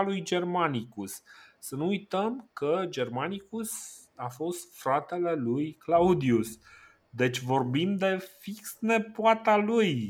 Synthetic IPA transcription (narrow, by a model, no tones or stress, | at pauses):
lujd͡ʒe̞rmanikusːənuujt̪əmkəd͡ʒe̞rmanikus | afo̞st̪fɾat̪e̞le̞lujklaud̪ius | d̪e̞t͡ʃʲvo̞rbind̪d̪e̞fiksne̞poat̪aluj